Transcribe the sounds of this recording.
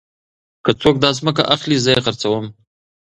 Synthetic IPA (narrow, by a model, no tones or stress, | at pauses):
kət͡sok̚d̪ɑzməka̰ʔaχlizəjexəɾt͡sawəm